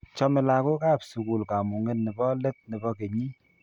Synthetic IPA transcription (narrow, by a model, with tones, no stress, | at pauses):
t͡ʃɔ˦mɪ˨la˨ko˦ka˦˨psu˨ku˨lka˨mu˨ŋe˦nnɪ˨bɔ˦le˦t̚nɪ˨bɔ˧ke˨ɲi˦